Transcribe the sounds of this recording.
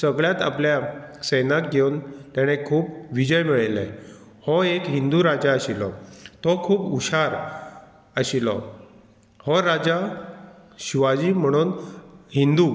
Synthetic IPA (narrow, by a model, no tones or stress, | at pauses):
səɡɭjat̪a̰pljasəjnak̚ɡʱeunt̪jaɽ̃ekʰuːpʋid͡ʑəjmiɭelɛ̰ | hɔekɦind̪uɾad͡ʑaəɕilɔ̰t̪ɔkʰuːpuɕaɾ | əɕilɔ̰ | hɔɾad͡ʑa | ɕiʋad͡ʑiːm̤əɽ̃uːnɦind̪u